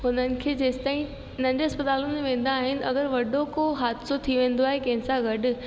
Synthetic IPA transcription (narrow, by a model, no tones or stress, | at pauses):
ɦʊnənɪ̆kʰeːd͡ʑeːsɪ̥t̪aːĩ | nɐ̃ɲd͡ʑɐspət̪aːlʊnmeʋẽːn̆d̪aːɦɪnɪ̆ɐɡəɾʋɐɖokoɦaːd̪sot̪ʰiʋẽːn̆d̪oaːɦekɐ̃ɦɪ̃nsaɡɐɖʊ̆